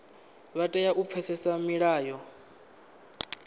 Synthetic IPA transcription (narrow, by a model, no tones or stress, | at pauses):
βatʼɛjaʔup̪fʰɛsɛsamiɺaːjɔ